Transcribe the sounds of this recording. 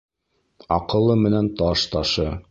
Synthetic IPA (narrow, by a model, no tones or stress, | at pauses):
ɑ̰qɤ̆lˠːɤmɘ̆nænt̪ɑʃt̪ɑʃɤ